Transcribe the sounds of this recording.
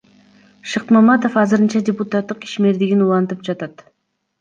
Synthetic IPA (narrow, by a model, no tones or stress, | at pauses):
ʃɯq̪mɑmɑt̪o̞fɑzɨɾɯnt͡ʃɑdʲeput̪at̪ːɯqi̥ʃme̞ɾd̪iɡinulˠɑnt̪ɯp̚d͡ʒɑt̪ɑt̪